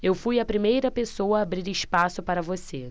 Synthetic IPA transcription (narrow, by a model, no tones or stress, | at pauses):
ewfujɐpɾimejɾɐpesowɐːbɾiɾɪʃpasʊpaɾɐvose